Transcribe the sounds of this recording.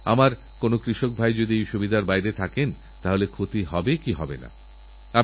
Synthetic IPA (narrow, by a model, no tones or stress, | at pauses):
a̰maɾ | konokɾiʃok̚bʱajd͡ʑod̪iejʃubʱid̪aɾbajɾet̪ʰaken | t̪aɦolekʰot̪iɦɔbekiɦɔbena̰ | a